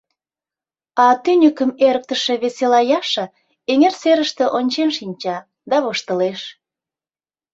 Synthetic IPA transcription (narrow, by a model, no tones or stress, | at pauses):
ɑt̪ynʲəkəmeɾək̚t̪əʃĕβeselɑjɑʃə̆ | eŋerseɾəʃt̪ĕʔonʲt͡ɕenʃinʲt͡ɕɑ | d̪ɑβoʃt̪əleʃ